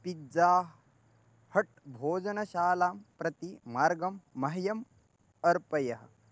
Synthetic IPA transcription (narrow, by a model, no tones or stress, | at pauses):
pidd͡zaːɦ | hɐʈ̚bʱoːd͡ʒɐnɐʃaːlaːmpɾɐt̪imaːɾɡɐmːɐɦɐjɐm | ɐɾpɐjɐɦɐ̆